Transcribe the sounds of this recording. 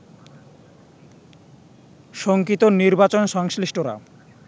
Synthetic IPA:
ʃoŋkit̪oniɾbat͡ɕonʃɔŋsliʃʈoɾa̰

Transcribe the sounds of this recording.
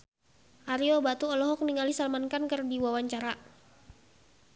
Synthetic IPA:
ʔaɾiɔbat̪uɔlɔɦɔk̚niŋalisalmankankərdiwawaɲt͡ʃaɾa

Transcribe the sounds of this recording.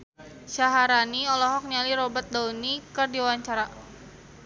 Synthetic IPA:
ʃaɦaɾaniɔlɔɦɔk̚nialiɾɔbat̪̚daunikɨrdiwawaɲt͡ʃaɾa

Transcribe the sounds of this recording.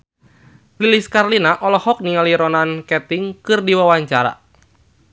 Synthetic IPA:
liliskarlinaʔɔlɔhɔk̚nialiɾɔnankɛt̪iŋkɨrdiwawaɲt͡ʃaɾa̰

